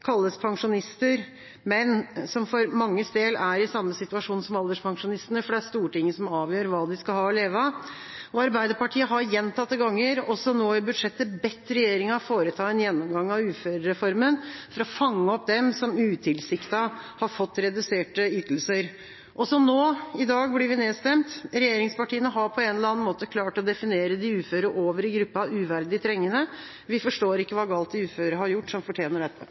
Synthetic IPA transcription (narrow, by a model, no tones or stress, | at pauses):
kʰɑlːəspʰɑŋʂʊnɪst̪əɾ | mɛnsɔmfɔɾmɑŋːəst̪eːlæɾɪsɑmːəsɪt̪ʉɑʂuːnsɔmɑld̪əʂpʰɑŋʂʊnɪst̪ənəfɔɖææst̪uːʈɪŋːəsɔmɑːʋjøːɾʋɑːd̪ɪskɑhɑːɔleːʋə | ɔɑɾbæɪd̪əɾpɑʈʰiːəɦɑɾjɛnːt̪ʰɑt̪ːəɡɑŋːəɾɔsɔnoːɪbʉd̪ʂɛt̪ːəbɛt̪ːɾɛjeːɾɪŋɑfoːɾət̪ʰɑːɛnjɛnːɔmɡɑŋːɑʋʉːføɾəɾɛfɔɾmənfɔɾɔfɑŋːəɔpːd̪ɛmsɔmʉːt̪ʰɪlsɪkt̪ɑhɑɾfɔt̪ːɾɛd̪ʉseːʈəʏːt̪əl̩səɾ | ʔɔsɔnoːɪd̪ɑːɡblɪɾʋɪneːst̪ɛmt̪ɾɛjeːɾɪŋspɑʈiːənəɦɑɾpʰɔɛnəlɑːnmoːt̪əkʰlɑːʈɔd̪ɛfɪneːɾəd̪ɪʉːføːɾəʔoːʋəɾɪɡɾʉpːɑʉːʋæɾd̪ɪt̪ʰɾɛŋːənə | ʋɪfɔʂʈoːɾɪkːəʋɑːɡɑːlt̪̚ɪʉːføːɾəɾəhɑɾjʊʈːsɔmfɔʈʰjeːnəɖɛt̪ʰːə